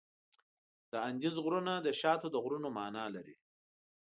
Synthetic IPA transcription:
d̪̥əanʲd͡ʒizɣɾunad̪əʃɑːt̪od̪əɣɾunomɑːnɑːlaɾḭ

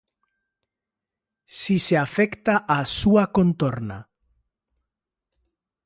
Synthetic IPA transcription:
siseafɛkt̪aʔasuakont̪oɾna̰

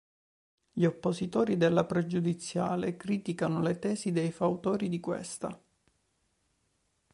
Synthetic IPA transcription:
ʎiopːosit̪oːɾid̪elːapɾed͡ʒud̪it̪sːjaːlekɾiːt̪ikanolet̪ɛːzid̪ejfaut̪oːɾid̪ikwḛst̪a̰

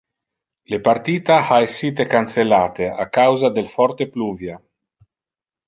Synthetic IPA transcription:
lepart̪iːt̪aaesːiːt̪ekanselaːt̪eakawzad̪elfɔrt̪epluːvja

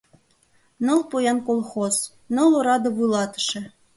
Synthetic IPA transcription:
nɤ̆lˠpojɑnkolˠxoz | nɤ̆lˠoɾɑd̪ɤ̆βulˠɑt̪ə̥ʃĕ

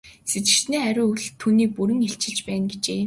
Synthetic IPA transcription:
set͡ɕɪ̆ʃt̪niːæɾʲʊːuɮt̪ʰːuːniːk̚puɾɘ̆ŋeɬt͡ɕɪ̆ɮt͡ɕpæːnɡet͡ɕeː

